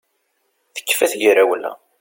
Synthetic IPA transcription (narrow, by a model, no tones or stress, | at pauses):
θə̥kːfæθʝiɾæwlːæ̰